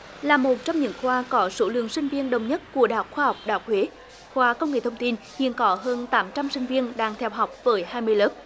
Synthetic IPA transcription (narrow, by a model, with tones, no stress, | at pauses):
laː˨˩mo˨˩t̚t͡ɕɔ˧wŋ͡mɲɨ̰˧˥ŋxwaː˧kɔ˨˦so˧˦lɨ̰˧˨əŋsï˧ŋ̟vi˧ənɗə˨˩wŋ͡mɲə˦˥t̚ku˧˩əaː˨˩ha˨˩k͡p̚xwaː˧ha˨˩wk͡p̚ɗaː˧˨˩k͡p̚hwe˨˦ | xwaː˨˦kə˧wŋ͡mŋḛ˧˩t̪ʰə˧wŋ͡mt̪i˧n | hḭ˧˨ənkɔ˨˦ɦəː˧nt̪aː˨˦mt͡ɕa˧msï˧ŋ̟vi˧ənɗaː˧ŋt̪ʰɛ˧wɦa˨˩wk͡p̚vəː˨˦jɦaː˧jmɨ˧əjləː˦˥p̚